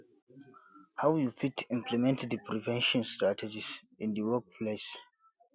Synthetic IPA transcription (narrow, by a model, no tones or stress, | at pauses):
hawjufitʰĩmpʰlimɛ̃ntdəpʰɹivɛ̃nʃɔ̃nstɹatʰɛd͡ʒis | ĩndəwək̚pʰles